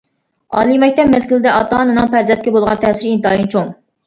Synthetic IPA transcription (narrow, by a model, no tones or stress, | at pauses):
ɑ̰ːlˠimɛk̚ʲt̪ɛpmɛskʲilɪd̪ɛɑt̪ɑnɨnɨŋpæɾzɛnt̪̚kʲɛbolˠʁɑnt̪ʰɛːsɪɾint̪ɨɑːjint͡ʃʰoŋ